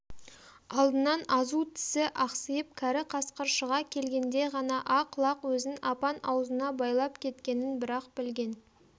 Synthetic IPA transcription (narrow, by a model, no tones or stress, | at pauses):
ɑlˠd̪ənɑnɑzut̪ʰɪ̥sɪʔɑqsəjəp̚kʲʰæɾɪqʰɑsqəɾʃəʁɑkʲʰe̞lɡʲe̞nd̪e̞ʁɑnɑʔɑqlˠɑqwɵzɪnɑpɑnɑwəzənɑbɑjlˠɑpkʲʰe̞t̪kʲe̞nɪnbɪɾɑqbɪlɡʲe̞n